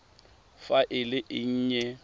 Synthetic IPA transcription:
faʔɪlɪʔɪɲ̩ːɲɛ

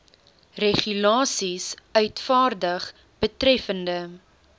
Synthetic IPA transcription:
reχylɑːsisœɥtfɑːrdəχ | b̥ətɾɛfəndə

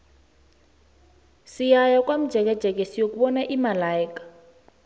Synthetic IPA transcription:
sijajak̬wam̩d̥ʒ̥ʱɛk̬ɛd̥ʒ̥ʱɛk̬esijok̬uɓɔnaʔimalaikḁ

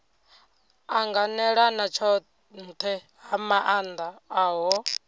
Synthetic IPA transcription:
aŋɡanɛɺanat͡ʃʰɔ | nt̪ʰɛ | ɦamaʔand̪aaːɦɔ

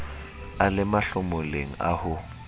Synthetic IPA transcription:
alɪmaɬʊmʊleŋ̩ahʊ

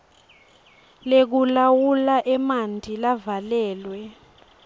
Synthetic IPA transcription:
lek̬ulawulaʔɛmandʱilavalɛːlwɛ

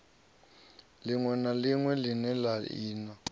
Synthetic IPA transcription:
lɪŋwɛnaliŋwɛlɪnɛlaiːna

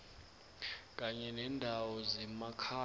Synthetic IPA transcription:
kʼaɲɛnɛndʱawɔzɛmakʰa

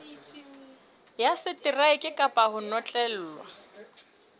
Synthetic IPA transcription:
jasɪtʼɪraɪkʼɪkʼapʼahʊnɔt͡ɬʼɛl̩ːlwa

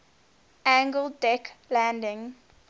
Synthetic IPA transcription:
æ̃ŋɡəlˠdɛklæ̃ndɪ̃ŋ

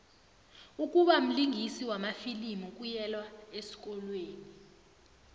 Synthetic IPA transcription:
uk̬ʼuɓam̩liŋɡʱisiwamafilimuk̬ʼujɛlwaesi̥k̬ʼɔlweːni

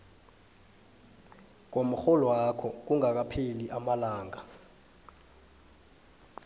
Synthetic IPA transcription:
k̬om̩xɔlɔwakʰɔk̬uŋak̬apʰeliʔamalaːŋa

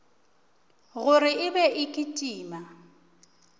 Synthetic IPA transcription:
ɣʊɾɪɪbɛʔɪkʼitʼiːma

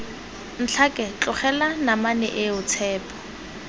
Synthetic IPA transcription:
n̩t͡ɬʰakʼɛt͡ɬʼʊχɛlanamanɛ̰ʔɪʊt͡sʰɛːpʰʼɔ̥

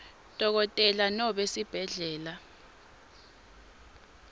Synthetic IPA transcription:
d̥ʱɔk̬ɔtʼɛlanɔɓesib̥ʱɛɮɛːla

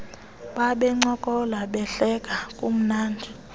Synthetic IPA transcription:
ɓaɓɛŋ͡ǀɔkʼɔlaɓɛɬɛkakʼum̩naːndʱi

